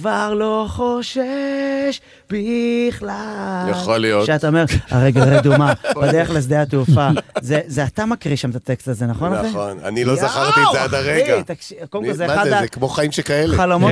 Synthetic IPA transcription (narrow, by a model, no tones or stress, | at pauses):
kvaʁlo̞χoʃeʃ | b̥iχlajaχolijoʃeat̪aome̞ʁa̰ʁejɡalʁed̪umabad̪eʁeχles̬d̪eat̪uːfazezeat̪amakʁiʃamt̪at̪ekst̪laze̞naχonaeona̰nilozaχaʁt̪izad̪aʁeiat̪akʃikolmkozead̪aekmoχaimʃekaeleχalomot